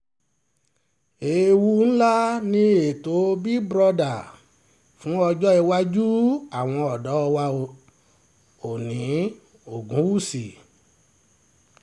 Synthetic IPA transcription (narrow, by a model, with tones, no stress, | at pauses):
e˨wu˧ñ̩˦la˦nĩ˧e˨to˨˦bi˦bɾɔ˧da˨ | fũ˨˦ɔ˧d͡ʒɔ˦i˧wa˦d͡ʒu˦a˦˨w̃ɔ̃˧ɔ˨dɔ˨˦ɔ˧wa˧o˧ | o˨nĩ˨˦ | o˨ɡũ˨˦wu˦˨si˨